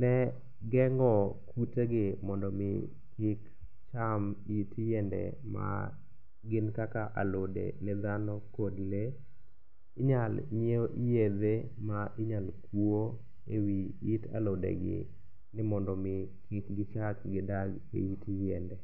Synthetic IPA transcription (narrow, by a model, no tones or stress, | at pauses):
nɛ | ɡɛŋɔkʰuteɡɪmɔndɔmɪ̰ | kɪk | t͡ʃamitjɛndɛ̰ | ma̰ | ɡɪnkakaʔalodḛnɪd̪anɔkodle | ɪɲalɲeoʔijed̪e | maʔɪɲalkwuo | ewiita̰lodḛɡɪ̰ | nɪmɔndɔmɪ | kɪkɡɪt͡ʃakɡɪdaɡ | ḛitijɛndɛ